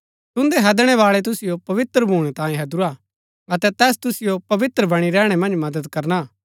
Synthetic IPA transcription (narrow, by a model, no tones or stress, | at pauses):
t̪ʊ̃nd̪eɦɛd̪ɽ̃ɛʋaːɭɛt̪̬ʊsɪjopɐʋɪt̪ɾəbʱuːɽ̃ɛt̪ãːjẽɦɐd̪uɾa | ɐt̪ɛt̪ɛːst̪ʊsɪjopɐʋɪt̪ɾəbɐɽ̃iɾɛːɽ̃ɛmɐ̃nd͡ʒmɐd̪əd̪kɐɾna